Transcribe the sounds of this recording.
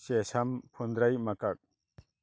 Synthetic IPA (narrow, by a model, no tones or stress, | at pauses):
sesampʰɔnd̪ɾajmakak̚